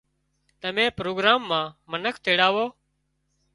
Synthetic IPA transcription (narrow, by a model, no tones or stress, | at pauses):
t̪əmẽːpɾoːɡɾaːmːãːmənəkʰt̪eːɽaːʋoː